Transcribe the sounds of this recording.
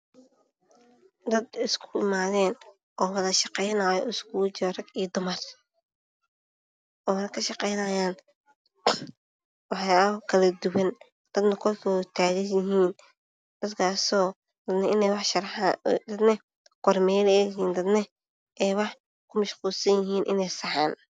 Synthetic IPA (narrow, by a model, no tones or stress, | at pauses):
d̪ɐd̪ɪskʰʊ̥ɪmaːðɛːn | ʔɔːwɐðɐʃɑqɛjnaːjɔɪskʰuːt͡ʃːrɐɡiːd̪ʊmɐr | ʔɔːnɐkʰɐʃɑqɛjnaːjaːn | wɑħɑjkʰɐlɐd̪ʊwɐn | d̪̥ɐd̪nɐkʰɔlkʰɔt̪ʰaːɣɐjɪɦiːn | d̪̥ɐd̪kʰaːsɔː | d̪ɐd̪nɐɪnɛjwɑħʃɐɾħd̪ɐd̪nɐ | qɔrmɛːlɛjɦiːnd̪ɐd̪nɐ | ʔɛjwɑħ | kʰʊmɐʃquːlsɐnjɪɦiːnʔɪnɛjsɑħaːn